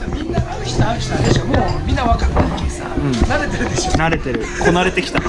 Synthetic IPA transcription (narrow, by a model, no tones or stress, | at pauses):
mʲĩnːaaç̥ʲt̪akʲi̥t̪ãd̪eɕomomʲĩnːaβakat̪ːakʲesa̰ɯ̟̃ɴnaɾe̞t̪e̞ɾɯ̟d̪eɕonaɾe̞t̪e̞ɾɯ̟kʰo̞naɾe̞t̪e̞kʲi̥t̪a